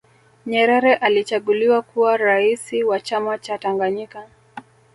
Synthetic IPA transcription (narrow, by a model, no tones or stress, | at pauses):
ɲɛɾɛɾɛʔalit͡ʃaɠuliwakuwaɾaisiwat͡ʃamat͡ʃataŋɡaɲika